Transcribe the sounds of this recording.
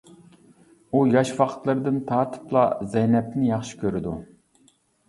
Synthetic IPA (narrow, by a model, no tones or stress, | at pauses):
ujɑʃwɑqʰə̥t̪lˠɨɾɨd̪ɨnt̪ʰɑːt̪ʰɨ̥plˠɑ̰zɛjnɛp̪̚nɪjɑχʃi̥kʲʰøɾɪd̪u